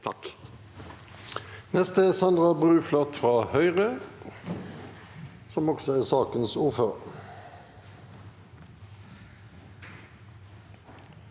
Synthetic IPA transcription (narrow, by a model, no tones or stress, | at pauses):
nɛst̪əæsɑnd̪ʁɑbʁʉːflɔt̪fʁɑːhœʏʁə | sɔmɔksɔæːsɑːkənsuːføʁ